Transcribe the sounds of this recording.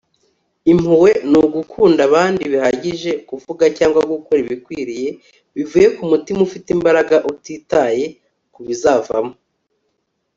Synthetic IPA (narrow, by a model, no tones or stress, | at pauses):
im̥huwe̞nuɡukʰuːndaβaːndiβihaɟiʒe̞kuvuɡacaːŋɡwakukoɾiβikwiːɾije̞ | βivuːje̞kumutimufitimbaɾaɡaʔutiːtaje̞ | kuβizava̰mo